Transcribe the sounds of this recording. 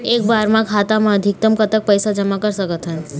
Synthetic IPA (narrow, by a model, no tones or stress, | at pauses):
eːk̚baɾmãkʰaːt̪amãəd̪ʱɪk̚t̪əmkət̪ək̚pəjsad͡ʒəmakəɾsəkət̪ɦə